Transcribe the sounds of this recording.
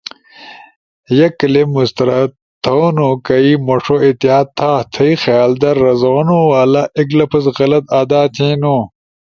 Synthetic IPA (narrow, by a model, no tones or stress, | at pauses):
jɐkɐlemust̪ɐɾa | t̪ʰonukɐimoʂoit̪iaːtt̪ʰːaːt̪ʰɐixjaːld̪ɐɾːɐzoːnuwaːlɐʔiklɐpʰɐsɣɐlɐt̪aːd̪aːt̪ʰẽːnu